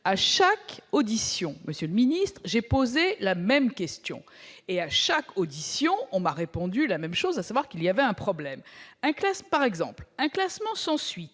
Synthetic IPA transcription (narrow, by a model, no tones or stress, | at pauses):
aʃakod̪isjɔ̃məsjøləminist̪χʒepozelamɛmkʲɛst̪jɔ̰̃eaʃakod̪isjɔ̃ɔ̃maʁepɔ̃d̪ylamɛmʃozasavwaʁkilijavɛɛ̃pχɔblɛmɛ̃klaspaʁɛɡzɑ̰̃plɛ̃klasmɑ̃sɑ̃sɥit̪